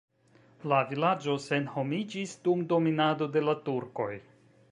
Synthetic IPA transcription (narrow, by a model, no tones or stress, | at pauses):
lavilad͡ʒo̞se̞nho̞mid͡ʒisdumdo̞minado̞de̞latuɾko̞̰j